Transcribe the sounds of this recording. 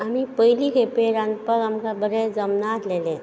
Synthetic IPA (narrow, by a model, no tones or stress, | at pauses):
amipəɦjlikʰepeɾanpəɾamkabəɾed͡zəmnaːt̪lele